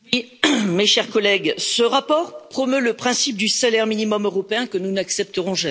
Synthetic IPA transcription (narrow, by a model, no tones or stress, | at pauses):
i | meʃɛʁkɔlɛɡsəʁapɔʁpχɔmøləpχɛ̃sip̚d̪ysalɛʁminimɔmøʁɔpeɛ̃kənunaksɛp̚t̪əʁɔ̃ʒam